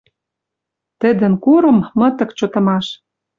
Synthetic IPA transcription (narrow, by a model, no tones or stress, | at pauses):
t̪ə̆d̪ə̆nkuɾɤ̆mːɤ̆t̪ɤ̆kt͡ɕŏt̪ɤ̆mɑʃ